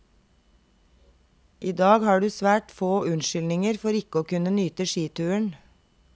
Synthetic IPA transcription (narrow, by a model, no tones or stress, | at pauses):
ʔiːd̪ɑːɡhɑːɖʉːsʋæːʈfoːʉnʃʏlnɪŋəɾfɔɾɪkəoːkʉnənyːt̪əʃiːt̪ʰʉːəɳ